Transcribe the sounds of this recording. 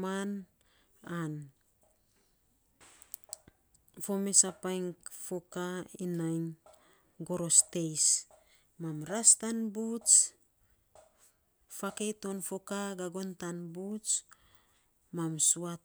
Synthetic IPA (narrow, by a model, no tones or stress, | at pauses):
man | an | fo̞mesapajŋkfo̞kainajn | ɡo̞ɾo̞ste̞js | mamɾastanbut͡ʃ | fake̞jto̞nfo̞kaɡaɡo̞ntanbut͡ʃ | mamsuat